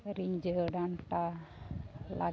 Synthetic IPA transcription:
ɾiɲd͡ʒəɖant̪a | la̰

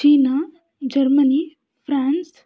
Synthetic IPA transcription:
t͡ʃiːna | d͡ʒɐɾməni | fʰɾaːns

